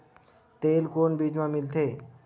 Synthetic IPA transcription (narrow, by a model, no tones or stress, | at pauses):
t̪eːlkoːnbiːd͡ʒmãmɪlt̪ʰeː